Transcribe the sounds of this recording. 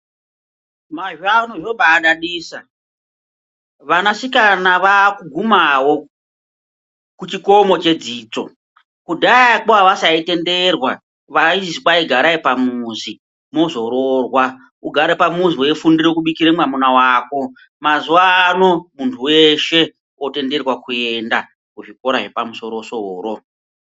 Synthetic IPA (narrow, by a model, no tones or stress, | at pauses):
maʒuanoʐoɓaːɗaɗiːsa | ʋanasikanaʋakuɡʱumawo̞ | kut͡ʃiko̞mo̞t͡ʃe̞d͡ziːt͡so̞̰ | kudʱaakoaʋasaite̞nde̞rwa | ʋaizikaiɡʱaɾaipamuzi | mo̞zo̞ɾorwa | uɡʱaɾepamuziweefundirekuɓikiɾemwamunawaːko̞ | mazuaːno̞muntʰuweʃe̞ | ote̞nde̞rwakuenda | kuʐiko̞ɾaʐe̞pamuso̞ɾosoːɾo̞